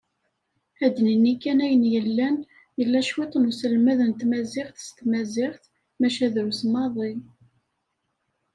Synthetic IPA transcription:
æd̪ninikːænæjənjəlːæn | jəlːæʃwit̪ˤnusəlmæðənt̪mæzɪʁθst̪mæzɪʁθ | mæʃæðɾusmɑðˤi

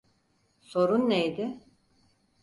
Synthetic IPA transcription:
so̞ɾunːejd̪ɪ

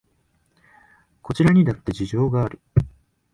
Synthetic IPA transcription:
ko̞t͡ɕiɾaɲ̟id̪at̪ːe̞ʑiʑo̞ːɡaːɾɯ̟

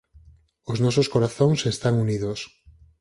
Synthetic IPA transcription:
oznɔsoskoɾaθoŋsest̪aŋuniðos

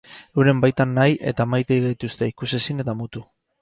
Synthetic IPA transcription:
ewɾe̞mbajt̪anːajʔe̞̰t̪amajt̪ejit̪ust̪e̞ikuse̞sine̞t̪amut̪u

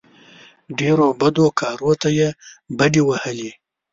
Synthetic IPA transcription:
ɖeɾobad̪okʰɑɾot̪ajebaɖiwahəli

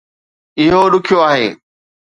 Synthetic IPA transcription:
ɪɦoɗʊkʰɪjoaːɦeː

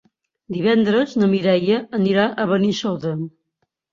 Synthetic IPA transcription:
d̪iβɛnd̪ɾəznəmiɾɛjəːniɾaʔəβənisot̪ə

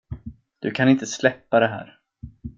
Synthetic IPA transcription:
d̪̥ɵ̰kʰanɪnt̪əslɛpːad̪ɛɦæ̰ːɾ

